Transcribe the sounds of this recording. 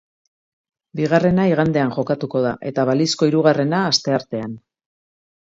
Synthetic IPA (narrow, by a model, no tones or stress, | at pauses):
biɣ̞are̞naiɣand̪e̞anʝo̞kat̪uko̞ð̞aʔe̞t̪aβalisko̞iɾuɣ̞are̞naːst̪e̞aɾt̪e̞an